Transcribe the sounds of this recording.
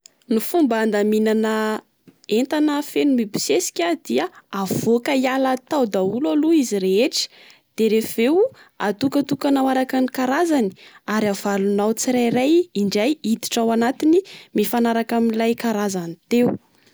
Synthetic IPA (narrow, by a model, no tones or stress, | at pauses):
nufumband̪aminana | ent̪anəfenumibi̥sesi̥kʲad̪iaav̥okəialat̪awd̪aulaluiziɾeeʈ͡ʂə̥ | d̪̥eɾevewa̰t̪ukət̪ukanawaɾakanikaɾazani̥aɾav̥alunawt͡siɾajrajiɳɖ͡ʐajid̪i̥ʈ͡ʂawanat̪inimifanaɾakaminlajkaɾazanit̪eu